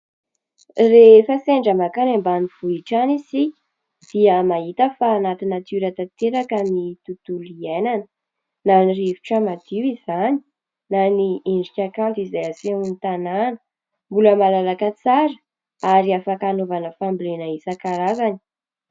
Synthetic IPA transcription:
refaseɳɖ͡ʐəmakanambaniv̥uiʈ͡ʂanizi | d̪̥iəmaɦit̪əfaːnat̪inat̪uɾat̪at̪eɾakamnit̪ut̪uliananə̥ | nanirivi̥ʈ͡ʂəmad̪iwizani̥ | nanieɳɖ͡ʐikʲakant̪izajasemunit̪ananə̥ | mbuləmalalakət͡saɾə | aɾiafakanovanəfambilenəisakaɾazani̥

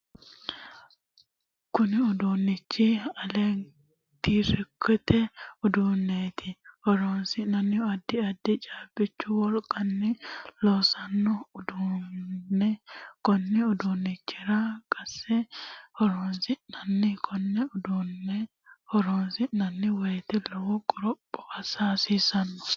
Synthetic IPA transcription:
kʊnɪʊd̪unːɪt͡ʃːɪɐleːn | t̪iːʃɛkːʊt̪ɛʊd̪uːnːeːt̪ʰɪhɔɾoːnsɪnɐnːɪjɔɐd̪ːɪɐd̪ːɪt͡ʃʼaːbɪt͡ʃːʊwɔɾkʼɐnːɪloːsɐnːɔd̪u | ɛkɔnːɪʊd̪unːɪt͡ʃːɪɾakʼɐsːɛhɔɾoːnsɪnɐnːɪkʰɔnːɛʊd̪un | hɔɾoːnsɪnɐnːɪwɐjt̪ɛlɔwɔkʼʊɾɔpʼːɔ̥ɐsaːsiːsɐnːɔ̥

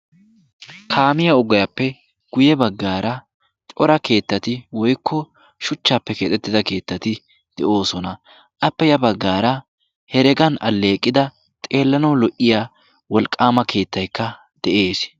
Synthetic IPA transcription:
kʰaːmɪjɐɔɡɔjɐpːɛ | ɡ̥ʊjɛbɐɡːaːɾɐ | t̪ʼɔɾɐke̞ːt̪ːɐt̪ɪwɔjkʰːɔ | ʃʊt͡ʃːaːpːɛket̪ʼɛt̪ːɪd̪ɐke̞ːt̪ːɐt̪ɪ | d̪̥ɛʔo̞ːsɔnɐ | ʔɐpːɛjɐbɐɡːaːɾɐ | hɛɾɛɡɐnɐ̰lːe̞ːkʼːɪd̪ɐ | t̪ʼe̞ːlːɐnɐwlɔʔɪja | wɔlkʼːaːmɐkʰe̞ːt̪ːɐjkːɐ | d̪̥ɛʔe̞ːs

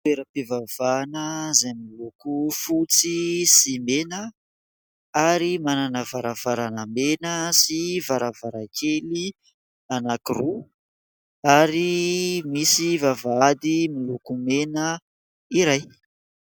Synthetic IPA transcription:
peɾəpivavanəzajmilukufut͡sisimenə | aɾimananəvaɾavaɾanəmenəsivaɾavaɾakʰeli | anakiru | aɾimisivavaad̪imilukumenə | iɾaj

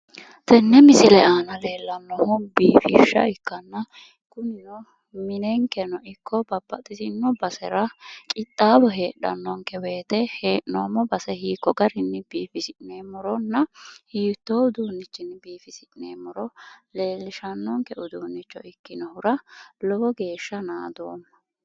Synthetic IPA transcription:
t̪ɛnːɛmɪsɪlɛaːnɐle̞ːlːɐnːɔhʊbiːfɪʃɐ̰ɪkːɐnːɐ | kʊnɪnɔ | mɪnɛŋkɛnɔʔɪkʰːɔbɐbːɐt̪ʼɪsɪnːɔbɐsɛɾɐkʼɪt̪ʼːaːbɔɦe̞ːɗɐ̰nːɔŋkɛwe̞ːt̪ɛheːʔnoːmɔbɐsɛhiːkːɔɡɐɾɪnːɪb̥iːfɪsɪʔneːmɔɾɔnːɐhiːt̪ːoːʊd̪uːnːɪt͡ʃːɪnːbiːfɪsɪʔɪneːmːɔɾɔle̞ːlːɪʃɐnːɔŋkɛʊd̪uːnːɪt͡ʃːɔ̰ɪkːɪnɔhʊɾɐlɔbɔɡe̞ːʃːɐnaːd̪o̰ːnːɐ

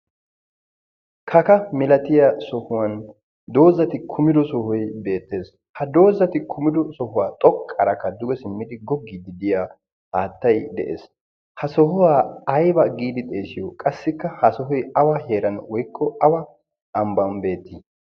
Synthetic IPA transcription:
kʰɐkɐmɪlɐt̪ɪjasɔhʊwɐn | d̪o̞ːzːɐt̪ɪkʰʊmɪd̪ɔsɔhɔjbe̞ːt̪ːe̞ːs | hɐd̪o̞ːzɐt̪ɪkʰʊmɪd̪ɔsɔhʊwaːt̪ʼɔkʼːɐɾɐkːɐd̪ʊɡɛsɪmːɪd̪ɪɡɔɡːiːd̪ɪd̪ɪja | haːt̪ːɐjd̪ɛ̰ʔḛːs | hɐsɔhʊwaːɐjbɐɡiːd̪ɪt̪ʼe̞ːsɪjɔkʼɐsːɪkːɐhɐsɔɦɔjɐwahe̞ːɾɐnwɔjkʰːɔɐwɐ | ɐmbɐnbe̞ːt̪ːi

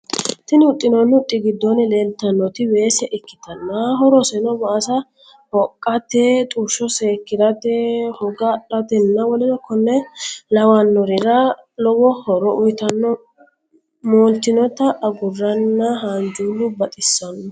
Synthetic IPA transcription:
t̪ɪnɪʊt̪ʼːɪnɔnːʊt̪ʼːɪɡɪd̪ːɔnːɛleːlt̪ːɐnːɔt̪ɪweːsɛʔɛkːɪ̥t̪ɐnːaɦɔɾɔsɛnɔbɐːsɐ | hɔkʼːɐt̪eːt̪ʼuːʃɔseːkːɪd̪ɐt̪ehɔɡɐᶑɐt̪ɛnːɐwɔlɪnɔkɔnːɛlɐwɐnːɔɾɪɾɐlɔwɔhɔɾɔʔʊjt̪ɐnːɔ | moːlt̪ːɪnɔt̪ɐʔːɡʊrːɐnːɐɦand͡ʒuːlʊbɐt̪ʼɪsːɐnɔ

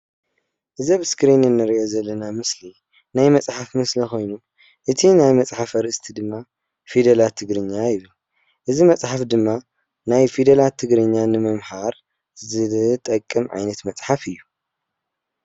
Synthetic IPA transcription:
ʔɨzɐβɨskɾinɨnːɨɾiʔozɐlːɐnamɨsli | najmɐt͡sʼħafmɨslixo̞jnu | ʔɨt̪ʰinajmɐt͡sʼħafɐɾɨʔɨst̪ʰid̪ɨmːa | fid̪ɐlat̪ʰɨɡɾɨɲːajɪβɨl | ʔɨzimɐt͡sʼħafd̪ɨmːa | najfid̪ɐlat̪ʰːɨɡɾɨɲːanɨmɐmhaɾ | zɨt̪ʼɐkʼːɨmʕa̰jnɐt̪mɐt͡sʼħafɨjːu

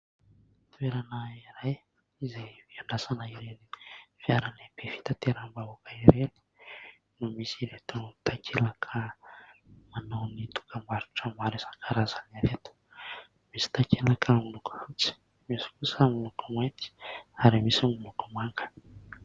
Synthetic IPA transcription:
t̪ueɾanaiɾaj | izeviaɳɖ͡ʐasanaiɾenifiaɾanib̥efi̥t̪at̪eɾambaukʰaiɾeni̥ | numisiɾet̪unt̪akʰelakʰə | mananit̪u̥kʰambaɾuʈ͡ʂəmaɾisaŋkʰaɾazanaɾet̪u̥ | misi̥t̪akʰelakʰaminukant͡si̥ | misi̥kusəmilukumajnt̪i̥aɾimisimulukumaŋɡə̥

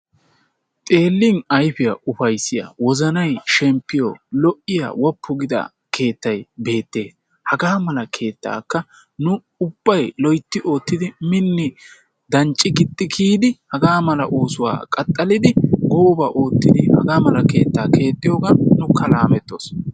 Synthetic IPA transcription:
t̪ʼe̞ːlːɪnɐjfɪjɐʔʊfɐjsːɪjɐ̰wɔzɐnɐjʃɛmpːɪjo̰lɔʔɪjɐ̰wɔpːʊɡɪd̪ɐ̰ | ke̞ːt̪ːɐjbe̞ːt̪ːe̞ːs | hɐɡaːmɐlɐkʰe̞ːt̪ːa̰ːkːɐ | nʊ | ʊb̥ːɐjlɔjt̪ːɪʔo̞ːt̪ːɪd̪ɪmɪnːɪ | d̪ɐnt͡ʃʼːɪɡɪt̪ʼːɪkʰiːd̪ɪhɐɡaːmɐlɐ̰ʔoːsʊwa̰ːkʼɐt̪ʼːɐlɪd̪ɪɡoːbɐʔo̞ːt̪ːɪd̪ɪhɐ̰ɡaːmɐlɐke̞ːt̪ːaːkʰe̞ːt̪ʼːɪjoːɡɐnːʊkːɐlaːmɛt̪ːoːs

